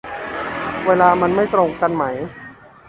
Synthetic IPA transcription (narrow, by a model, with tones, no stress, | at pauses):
weː˧laː˧ma˧nma˥˩jt̪ɾo˧ŋka˧nma˦˥j